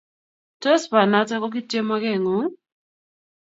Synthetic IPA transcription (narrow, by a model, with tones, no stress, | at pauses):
tɔ˦spa˨na˦ta˦kɔ˦k̬ɪ˦tje˦ma˦kɛ˦˨ŋo˨˦ŋ